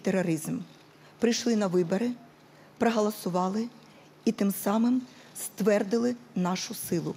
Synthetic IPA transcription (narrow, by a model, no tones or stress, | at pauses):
t̪eɾɔɾɪzm | pɾɪjʃlˠɪnɐʋɪbɔɾɪ | pɾɐɦɐlˠɐsʊʋɑlˠɪ | it̪ɪmsɑmɪm | st̪ʋɛrd̪ɪlˠɪnɑʃʊsɪlˠʊ